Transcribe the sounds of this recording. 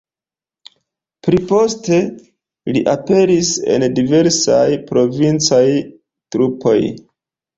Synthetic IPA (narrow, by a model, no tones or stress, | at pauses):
pɾipo̞ste̞ | liʔape̞ɾise̞̰ndive̞ɾsa̰jpɾo̞vint͡saj | tɾupʰo̞̰j